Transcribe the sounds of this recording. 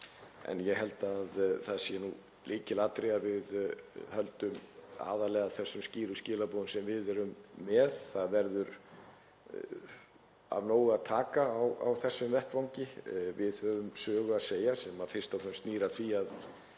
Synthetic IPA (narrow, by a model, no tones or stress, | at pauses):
ɛ̰njɛɦɛl̪t̪aðθaðsjɛnu | lʔiːcɪlaːt̪ɾeavɪðhœlt̪ʏma̰ːðalɛːɣaðθɛsːʏmsciːɾʏscɪːlapoðʏmsɛmvɪðɛɾʏmːɛð̥θaðvɛɾðʏɾ | a̰vnoːwaðt̪ʰaːkaːwa̰wθɛsːʏmvɛht̪vawɲcɪvɪðhœðʏmsœːɣʏaðseːjasɛmaðfɪr̥st̪awfʰɛmst̪niːɾaθviað